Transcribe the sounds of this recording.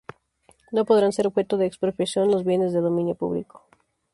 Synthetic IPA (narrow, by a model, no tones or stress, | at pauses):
no̞po̞ðɾanse̞ɾoβxe̞t̪oðe̞ːkspɾopɾjasjo̞nelozβje̞ne̞zðe̞ðo̞mĩnjo̞pṵβlḭko̥